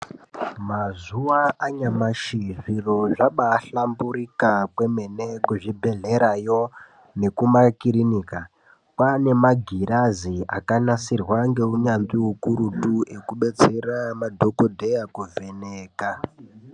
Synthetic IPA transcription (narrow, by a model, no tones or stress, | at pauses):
mazuwaʔaɲamaʃiviro̞ʐaɓaːɬambuɾikakwe̞me̞ne̞kuʐibʱe̞ɮe̞ɾajo̞ | ne̞kumakiɾiniːka | kwane̞maɡʱiɾaziakanasirwaŋɡe̞uɲanziukuɾutuʔe̞kuɓe̞t͡se̞ramadʱo̞kodʱejakuve̞neːka